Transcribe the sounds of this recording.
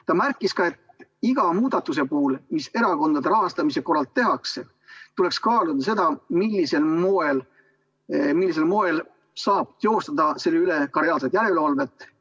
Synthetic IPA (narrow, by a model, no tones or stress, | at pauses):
t̪ɑmærkːˑiskɑe̞t̪iɡ̥ɑmuːd̪̥ɑt̪ːˑus̬e̞puːlmise̞ɾɑko̞nd̪ɑd̪̥eɾɑɦɑst̪ɑmise̞ko̞rːɑlt̪ːe̞ɦɑkse | t̪ule̞kskɑːlud̪̥ɑs̬e̞d̪ɑmilːise̞lmoel | milːis̬e̞lmo̞e̞l | sɑːb̥̚t̪eo̞st̪ɑd̪ɑse̞lːeyle̞kɑɾiɑːlset̪ˑjæɾelɑlve̞t̪ːˑ